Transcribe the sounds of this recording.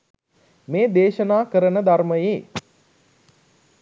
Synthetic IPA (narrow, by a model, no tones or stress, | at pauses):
meːd̪eːʃənaːkəɾənəd̪arməjeː